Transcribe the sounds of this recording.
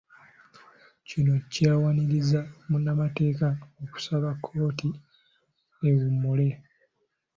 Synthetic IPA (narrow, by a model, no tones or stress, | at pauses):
cino̞caːwaniɾizamunːamate̞ːkaoku̥saβakʰːo̞ːti | ewumːule̞